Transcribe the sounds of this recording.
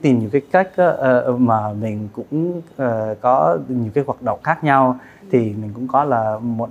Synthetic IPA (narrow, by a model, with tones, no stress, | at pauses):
t̪i˨˩mɲi˨˩əwkaː˨˦jka˦˥jk̟̚ʔaː˨˦˧maː˨˩mï˨˩ŋ̟kʊ̰˧˥ŋ͡məː˨˩kɔ˨˦ɲi˨˩wkaː˨˦jɦwaː˨˩t̚ɗə̰˧˨wŋ͡mxaː˦˥k̚ɲa˧w | t̪ʰi˨˩mï˨˩ŋ̟kʊ̰˧˥ŋ͡mkɔ˨˦laː˨˩mo˨˩